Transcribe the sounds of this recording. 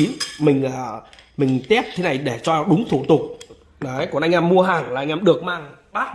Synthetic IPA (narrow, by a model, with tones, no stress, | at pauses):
i˨˦nmï˨˩ŋ̟ʔəː˨˩mï˨˩ŋ̟t̪ɛ˦˥p̚t̪ʰe˨˦na˨˩jɗe˧˩t͡ɕɔ˧˨˩ɗʊ˨˦ŋ͡mt̪ʰṵ˧˩t̪ʊ˨˩k͡p̚ | ɗə˨˦jkɔ˨˩nʔa˧jŋ̟ʔaː˧mːu˧əɦaː˨˩ŋlaː˨ʔa˧jŋʔaː˧mɗɨ˨˩ək̚maː˧˩ŋɓaː˦˥